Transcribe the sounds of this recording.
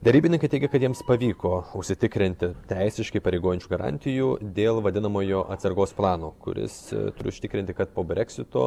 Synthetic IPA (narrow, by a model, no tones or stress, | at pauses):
d̪ʲɛɾʲiːbʲɪnʲɪŋkɐɪtʲɛɪɡʲɛkɐt̪jiɛmspɐʋʲiːkoːʊʃʲsʲɪt̪ʲɪkɾʲɪnʲt̪ʲɪt̪ʲɛɪsʲɪʃʲkʲɪpɐɾʲɛɪɡoːjɪnʲt͡ʃʲuɡɐɾɑ̰ːnʲt̪ʲɪjuːd̪ʲeːlˠʋɐd̪ʲɪnɐmoːjoːʔɐt̪sɐɾɡoːsplˠɑːnoːkʊ̰ɾʲɪ̰st̪ʊɾʲɪʊʃsʲɪt̪ʲɪkɾʲɪnʲt̪ʲɪkɐt̪poːbʲɾʲɛksʲɪt̪o̰ː